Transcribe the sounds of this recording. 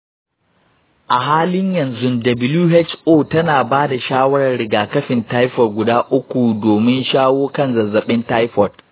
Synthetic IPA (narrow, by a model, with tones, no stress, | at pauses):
ʔa˨ɦaː˦lɪ˦ɲjɐ˨nzʊ˦ndɐ˨bɪ˦luː˦ɦɛ˦t͡ʃʔoː˦tɐ˦naː˨baː˦da˨ʃaː˦wɐ˦ɽɐ˨rɽɪ˨ɡaː˨kɐ˦ɸɪ˨ntaː˦jɸɔ˨rɡʷʊ˨daː˦ʔʊ˦kʷu˨doː˨mɪ˦nʃaː˦woː˦kɐ˦nzɐ˨zɐ˨ɓɪ˦nta˦jɸɔ˨r